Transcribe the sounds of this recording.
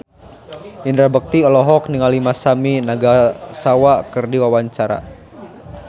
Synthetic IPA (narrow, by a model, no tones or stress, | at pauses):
indɾabək̚t̪iɔlɔɦɔk̚niŋalimasaminaɡasawakərdiwawaɲt͡ʃaɾa̰